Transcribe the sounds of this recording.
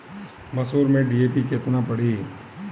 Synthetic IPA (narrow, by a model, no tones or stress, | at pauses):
mɐsoːɾmẽɖieːpiket̪napəɽiː